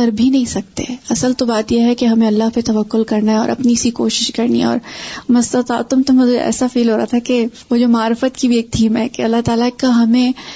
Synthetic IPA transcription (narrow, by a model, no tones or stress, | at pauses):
kɐɾbʱinɐɦĩsɐk̚t̪ḛɐsəlt̪obaːt̪jeɦɛkeɦɐmẽɐlːaɦpet̪ɐʋɐkːʊlkɐɾnaɦɛɔ̰ːɾʔɐ̰pnisiko̰ːʃɪ̥ʃkɐɾnḭɔ̰ːɾmɐst̪ɐt̪a̰ːt̪ʊmt̪ʊmẽt̪oɛ̰ːsafiːlɦoːɾa̰at̪ʰakeʋod͡ʒoːmaːɾfət̪kibʱieːk̚t̪ʰiːmɦɛkeɐlːaɦt̪aːlakaɦɐmẽː